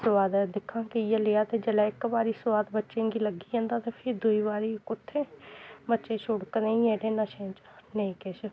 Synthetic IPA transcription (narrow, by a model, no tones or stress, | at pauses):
swaːd̪d̪ɪkʰːãːkijeleːaːt̪eːd͡ʒelaːɪkbaːɾiːsʊʋaːd̪bətːʃẽːɡiːləɡiːə̃ːnd̪aːt̪eːpʰɪɾd̪uiːbaːɾikʊt̪ʰːẽːbətːʃẽːt͡ʃʰʊɽkənẽĩeːɖeːnaːʃẽːt͡ʃnəĩːkɛːʃ